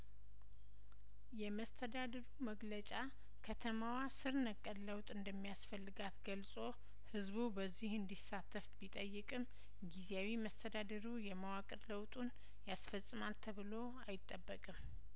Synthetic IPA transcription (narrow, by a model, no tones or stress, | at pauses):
jɛməst̪ʰəd̪ad̪əɾuməɡlət͡ʃʼa | kʰət̪ʰəmawasɨɾnəkʼːənləwt̪ʼɨnd̪əmːijasfəlːɨɡat̪ɡəlsʼo̞ | hɨzbubəzːihɨnd̪isːat̪ʰːəfbit̪ʼəjːɨkʼɨm | ɡizeawiməst̪ʰəd̪ad̪əɾujɛmawakʼɨɾləwt̪ʼun | jasfəsʼːɨmalt̪ʰəβɨlo | ajɪt̪ʼːəbːəkʼɨm